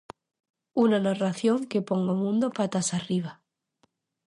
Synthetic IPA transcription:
unanaraθjoŋkepoŋɡomũnd̪opat̪asariβ̞a

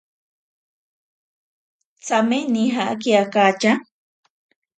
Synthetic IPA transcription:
t͡sameniɦaa̰kiakat͡ʃa

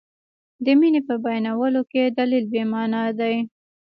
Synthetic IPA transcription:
d̪əminepəbajnawəloked̪alilbemɑnɑd̪aj

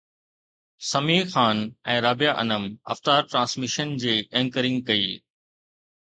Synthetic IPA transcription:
sɐmiːxaːnɛ̃ːɾaːbijaʔɐ̰nəmɐ̰ft̪aːɾʈɾãːnsmɪʃənd͡ʑeːẽːŋkəɾɪ̃ŋɡkɐḭː

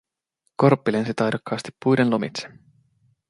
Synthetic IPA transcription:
ko̞rpːilensit̪ɑjɾukːˑɑːst̪i̥pːujdenlomḭt̪se̥

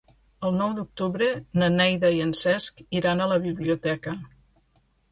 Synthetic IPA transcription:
əlˠnɔwd̪uk̚t̪uβɾənənɛjðəiənsɛskiɾanələβiβliut̪ɛkə

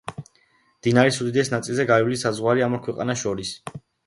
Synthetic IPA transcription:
md̪̥inaɾisud̪id̪ɛsnat̪sʼilzɛɡailisazʁwaɾiamɔɾkʰwɛqʼa̰naʃɔɾis

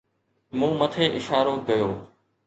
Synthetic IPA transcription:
mũːmət̪ʰeːʔɪʃaːɾoːkɐjoː

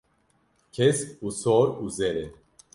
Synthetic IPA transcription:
kʰesusɔɾuzeɾe

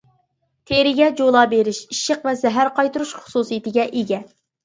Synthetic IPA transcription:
t̪ʰeɾɪɡʲɛd͡ʒolˠɑːbeɾɪʃiʃəqvɛzɛɦæɾqɑjt̪uɾuʃχʊ̥susijit̪ɪɡʲɛʔeɡʲɛ

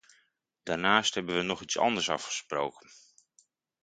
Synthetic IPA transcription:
d̥aːɹnaːstɦhɛbənʋənɔχitsɑ̰ndəɹsɑ̰fχə̥sprowkən

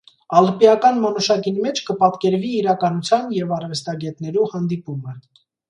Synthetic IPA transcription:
ɑləpijɑkɑnmɔnuʃɑkinmɛt͡ʃʰkəpɑt̪kɛɾviːɾɑkɑnut͡sʰjɑnjɛvɑrvɛst̪ɑɡɛt̪nɛɾuhɑnd̪ipumə

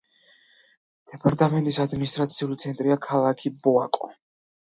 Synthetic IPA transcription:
d̪̥ɛpʰaɾt̪ʼamɛnt̪ʼisad̪minist̪ʼɾat̪sʰiulit̪sʰɛnt̪ʼɾiakʰalˠakʰibɔa̰kʼɔ̰

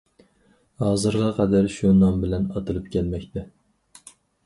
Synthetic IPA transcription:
hɑːzɨɾʁɑqʰɛd̪æɾʃunɑmbɪlɛnɑt̪ʰɨlˠɨpkʲʰɛlmɛkʲt̪ʰɛ

